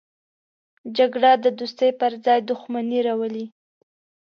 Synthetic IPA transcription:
d͡ʒaɡɽad̪əd̪ust̪əjpəɾzɑjd̪ʊxmaniɾawəli

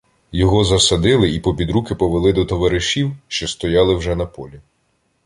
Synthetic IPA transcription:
jɔɦɔzɐsɐd̪ɪlˠɪipɔbʲid̪ɾukɪpɔʋelˠɪd̪ɔt̪ɔʋɐɾɪʃʲiwʃt͡ʃɔst̪ɔjɑlˠɪwʒɛnɐpɔlʲi

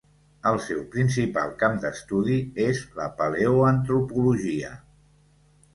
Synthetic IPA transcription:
əlˠsɛwpɾinsipa̰lˠkamd̪əst̪uðiezlə̰pəleuənt̪ɾupuluʒiə̰

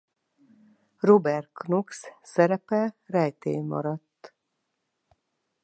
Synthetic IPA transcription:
robɛrknokssɛɾɛpɛrɛjt̪ḛːmɒ̰ɾɒt̪ː

